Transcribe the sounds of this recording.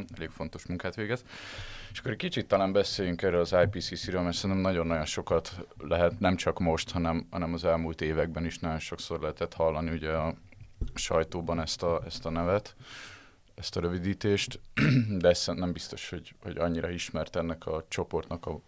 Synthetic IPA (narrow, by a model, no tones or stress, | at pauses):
ɛleːkfo̞nt̪o̞ʃmuŋkaːt̪ʋeːɡɛzeʃɒ̥kːoɾɛckit͡ʃit̪ːɒlaːmbɛseːjyŋkɛrøːlɒzaːjpiːsisiɾøːlmɛrsɛnt̪ɛmnɒɟo̞nːɒɟo̞nʃo̞kɒt̪lɛɦɛt̪nɛmt͡ʃɒkmo̞ʃt̪hɒnɛmhɒ̰nɛmɒzɛlmuːlt̪eːvɛɡ̚bɛniʃnɒɟo̞nʃo̞kso̞rlɛɦɛt̪ɛt̪hɒlːɒniuɟɛɒ | ʃɒjt̪oːbɒnɛst̪ɒɛst̪ɒnɛvɛt̪ | ɛst̪ɒɾøvid̪iːt̪eːʃt̪d̪ɛsɛnɛmbist̪o̞ʃho̞ɟho̞̰ɟɒɲːiɾɒiʃmɛrt̪ɛnːɛkʰɒt͡ʃo̞po̞rt̪nɒkɒ